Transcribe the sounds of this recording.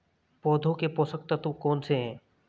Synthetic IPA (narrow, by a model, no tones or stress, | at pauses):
pɔːd̪ʱõkepɔsək̚t̪at̪õkɔːnseɦɛ̃ː